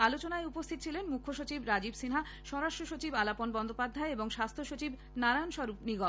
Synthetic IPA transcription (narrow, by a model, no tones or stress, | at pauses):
alot͡ɕonaeupost̪ʰit̪ot͡ɕʰilenmukʰːoʃot͡ɕibɾad͡ʑibsinɦa | ʃɔɾaʃʈɾoʃot͡ɕibalaponbɔnd̪ʱopad̪ʱːaeeboŋʃast̪ʰoʃot͡ɕib | naɾajonʃɔɾupniɡɔ